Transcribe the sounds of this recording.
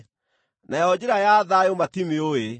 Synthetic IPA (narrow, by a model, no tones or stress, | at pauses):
najɔd͡ʑeɾajaːðajomatimeoe